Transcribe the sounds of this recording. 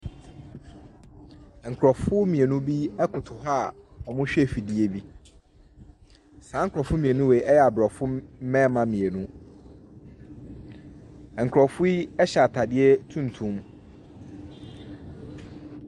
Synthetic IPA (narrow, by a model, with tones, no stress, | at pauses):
ŋ̩˨kʰɾɔ˨fʊ˦mĩ˨e˨nũ˦bi˦ɛ˦kʰʊ˨tʰʊ˨ɦa˦˨ɔ˨mʊ̃˦ɕᶣɛ˦˨fi˨di˦e˦bi˦ | sã˨˦ŋ̩˦kʰɾɔ˨fʊ̃˦mĩ˨e˨nũ˦we˨ʔɛ˦jɛ˨a˨bɔ˨fʊ˦mɛ̃˦mã˨mĩ˨e˨nũ˦˨ | ŋ̩˨kʰɾɔ˨fʊ˦i˦ɛ˦ɕɛ˨a˨tʰa˨dɪ˦ɛ˦tʰũ˦n˨tʰũ˦m